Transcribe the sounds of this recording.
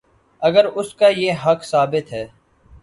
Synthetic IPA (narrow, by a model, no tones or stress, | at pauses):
ɐɡəɾʊskajeɦɐkʰsaːbɪt̪ɦɛː